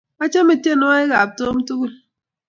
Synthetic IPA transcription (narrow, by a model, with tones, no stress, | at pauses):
a˦t͡ʃa˦me˨te˦˨nɔ˦e˦ɣa˨p̚to˦m̩˦tu˦ku˦l